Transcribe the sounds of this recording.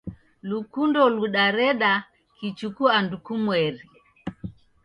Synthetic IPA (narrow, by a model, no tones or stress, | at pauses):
lukundɔluɗaɾɛɗa | kit͡ʃukuandukumwɛɾi